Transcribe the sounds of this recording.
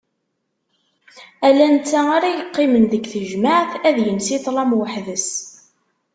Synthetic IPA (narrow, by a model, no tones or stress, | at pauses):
ælænt͡sːaaɾajəqːɪmənðəɡθəʒmaʕθæðjənsit̪ˤlˤɑmwəħðəs